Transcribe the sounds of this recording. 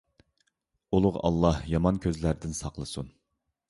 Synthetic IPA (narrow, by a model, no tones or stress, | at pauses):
ulˠʊʁɑ̰lˠːɑhjɑmɑnkʲʰøzlæɾd̪ɪnsɑqlˠɨsun